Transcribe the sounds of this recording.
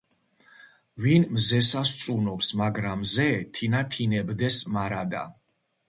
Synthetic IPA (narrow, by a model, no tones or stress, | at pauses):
vinmzɛsast̪sʼunɔpsmaɡɾamzɛt̪ʰinat̪ʰinɛbd̪ɛsmaɾad̪a̰